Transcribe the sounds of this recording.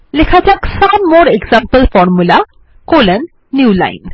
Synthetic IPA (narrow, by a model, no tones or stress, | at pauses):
lekʰat͡saksamoɾeɡzãmpəlfɔɾmula | kolənː | juːla̰in